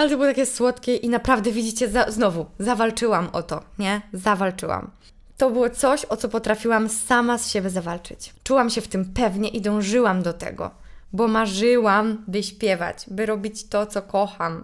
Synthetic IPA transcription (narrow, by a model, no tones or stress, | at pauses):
alɛt̪ɔbɘwɔt̪akʲɛswɔt̪kʲɛʔinapɾavd̪ɛvʲid͡ʑit͡ɕɛzaznɔvuzavalt͡ʂɘwamɔ̰t̪ɔɲɛzavalt͡ʂɘ̰wa̰m | t̪ɔbɘwɔt̪sɔɕɔt̪sɔpɔt̪ɾafʲiwamsamasɕɛbʲjɛzavalt͡ʂɘ̰t͡ɕt͡ʂuwamɕɛft̪ɘmpɛvɲɛʔid̪ɔ̃w̃ʐɘwamd̪ɔt̪ɛ̰ɡɔ̰bɔmaʐɘwambɘɕpʲjɛva̰t͡ɕbɘɾɔbʲit͡ɕt̪ɔt̪sɔkɔxam